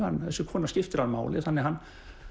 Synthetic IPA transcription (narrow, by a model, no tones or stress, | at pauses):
a̰nɛsʏkʰɔnascɪft̪ɪɾanma̰ːwlɪ̰ðhanːɛɦan